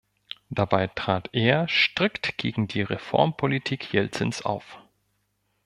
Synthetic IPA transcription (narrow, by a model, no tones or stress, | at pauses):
d̥abaɪtʁ̥aːtʔeːɐʃtʁ̥ɪktɡ̥eːɡŋ̩diːʁefɔ̰ɐmpʰolitʰiːkʰjɛlt͡sənsʔa̰ʊf